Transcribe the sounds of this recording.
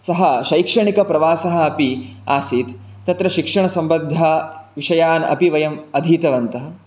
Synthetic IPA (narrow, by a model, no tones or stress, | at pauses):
sɐɦɐʃɐjkʂɐɳikɐpɾɐʋaːsɐɦɐ̆ːpiaːsiːt̪ | t̪ːɐt̪ɾɐʃikʂɐɳɐsɐmbɐd̪ʱːɐʋiʂɐjaːnɐ̰piʋɐjɐmɐd̪ʱiːt̪ɐʋɐnt̪ɐɦɐ̆